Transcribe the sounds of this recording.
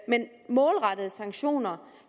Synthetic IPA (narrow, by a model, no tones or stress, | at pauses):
men | mɔ̽ːlʁɑ̈d̥əð̩ˠəsɑ̈ŋɡɕo̝̰ːnɐ